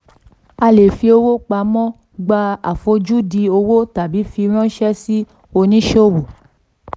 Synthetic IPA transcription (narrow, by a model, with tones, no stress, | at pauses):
a˧le˨fi˧˦o˧wo˦k͡pa˨˧˦mɔ̃˦ | ɡ͡ba˧a̰˨fo˧˦d͡ʒu˦di˧o˧wo˦ta˨bi˨˦fi˧ɾ̃ɔ̃˦ʃɛ˦si˦ | o˧nĩ˦ʃo˦˨wo˨